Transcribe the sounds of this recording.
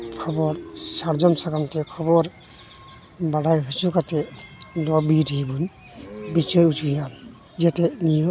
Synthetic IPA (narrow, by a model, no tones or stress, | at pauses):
kʰɔbɔɾsaɾd͡ʒɔmsakamtɛkʰɔbɔɾ | baɽajɦisukatɛlɔbidibun | bit͡ʃeɾut͡ʃuɾija | d͡ʒɛtɛnijɔ